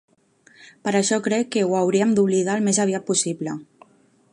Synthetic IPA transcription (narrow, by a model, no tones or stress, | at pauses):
pəɾəʃɔkɾɛkːəwawɾiəmd̪uβlið̞aəlˠmezəβ̞iat̪̚pusiβlə